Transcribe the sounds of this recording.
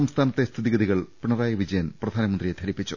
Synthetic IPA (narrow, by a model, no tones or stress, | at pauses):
ɐmst̪ʰaːnɐt̪ːest̪ʰiðiɡɐðiɣɐɭpiɳɐraːjɐʋid͡ʑɐjɐnprɐd̪ʱaːnɐmɐnd̪rijet̪ʰɐɾipːit͡ɕːu